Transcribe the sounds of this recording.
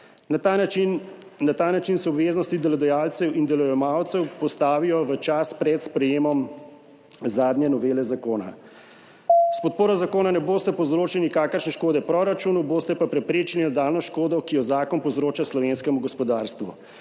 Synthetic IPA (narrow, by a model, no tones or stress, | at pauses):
nat̪anːat̪aːnat͡ʃinsɔbʋeːznɔst̪id̪ɛlɔd̪ɛjaːlt̪sɛwʔind̪ɛlɔjɛmawt̪sɛwpɔst̪aːʋijɔʋət͡ʃaspɾɛt̪spɾɛjeːmɔm | zaːd̪njɛnɔʋeːlɛzakoːna̰ | spɔt̪̚poːɾɔzakoːnanɛboːst̪ɛpɔwzɾoːt͡ʃlinikaːkəɾʃnɛʃkoːd̪ɛpɾɔɾat͡ʃunuboːst̪ɛpapɾɛpɾeːt͡ʃlinad̪aːlnɔʃkoːd̪ɔkijɔzaːkɔnpɔwzɾoːt͡ʃaslɔʋenskɛmuɡɔspɔd̪aːɾst̪ʋṵ